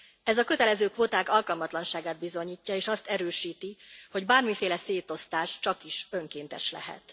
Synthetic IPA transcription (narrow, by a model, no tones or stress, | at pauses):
ɛzɒkøt̪ɛlɛzøːkʋoːt̪aːkɒlkɒlmɒt̪lɒnʃaːɡaːd̪̚bizo̞ɲiːcːɒeːʃɒst̪ɛɾøːʃiːt̪iho̞ɟbaːrmifeːlɛseːt̪o̞st̪aːʃt͡ʃɒkiʃø̞ŋkeːnt̪ɛ̰ʃlɛ̰ɦɛ̰t̪